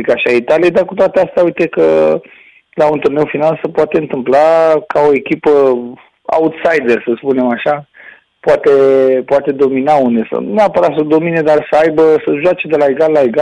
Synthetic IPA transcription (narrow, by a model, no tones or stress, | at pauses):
ikaʃiait̪alijed̪arkut̪oat̪east̪aujt̪e̞kə | launt̪urne̞wfinalsəpoat̪e̞ɨnt̪ɨmplakao̞e̞kʲipə | a̰ut̪sajd̪e̞rsəspune̞maʃa | poat̪e̞poat̪e̞d̪o̞minaund̪esə̰nuapəɾat̪səd̪o̞mine̞d̪arsəajbəsəʒoat͡ʃe̞d̪e̞laeɡalːaeɡa